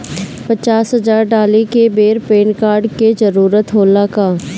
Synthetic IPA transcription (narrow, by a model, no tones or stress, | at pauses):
pɐt͡ʃaːsɦɐzaːɾɖaːlikebeːɾpeːnkaːɾɖkezəɾuːɾət̪ɦoːlakaː